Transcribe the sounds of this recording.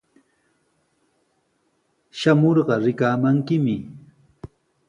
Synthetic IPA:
ʃamoɾɢɑɾɪkaːmaŋkɪmɪ

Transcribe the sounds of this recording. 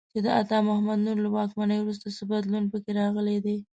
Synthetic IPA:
t͡ʃed̪əat̪ɑmʊhamad̪nuɾlawɑkmanəjwɾus̬t̪asəbad̪lunpəkeɾɑɣəled̪e

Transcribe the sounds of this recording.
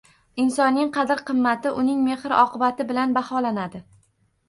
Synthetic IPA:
ɪnsɒnːɪŋqʰɑd̪ɪɾqʰɨmːat̪ɪʔʊnɪŋme̞hɾɒqɨbat̪ɪbɪlanbahɒlanad̪ɪ

